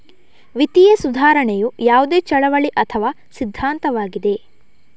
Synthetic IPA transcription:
ʋit̪ijesud̪ʱaːɾɐɳɛjujaːʋud̪eːt͡ʃɐɭɐʋɐɭiʔɐt̪ʰɐʋaː | sid̪ʱːaːnt̪ɐʋaːɡid̪e̞

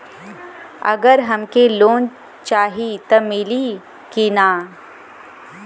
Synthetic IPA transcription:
ɐ̰ɡəɾɦɐmkeloːn | t͡ʃaːɦit̪ɐmɪli | kinaː

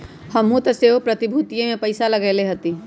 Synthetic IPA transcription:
hɐmɦũt̪ɐseːʋpɾɐt̪ɪbʱuːt̪ijẽmẽpɐɪsalɐɡeːleɦɐt̪i

